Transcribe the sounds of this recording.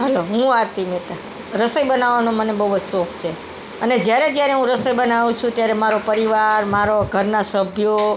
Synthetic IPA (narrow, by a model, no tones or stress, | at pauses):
ɦəloɦũaɾt̪imet̪a | ɾəsəjbənaʋːanõmənebəubʱod͡ʒsok̚ʰt͡ʃʰe | əned͡ʒjaɾed͡ʒjaɾeɦũɾəsəjbənaʋũt͡ʃʰũt̪jaɾemaɾopəɾiʋaɾmaɾoɡʱəɾnasəbʱjo